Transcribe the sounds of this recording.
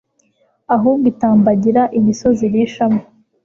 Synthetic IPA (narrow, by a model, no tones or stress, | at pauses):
aɦuːŋɡitaːmbaɟiɾaʔimiso̞ziɾiʃamo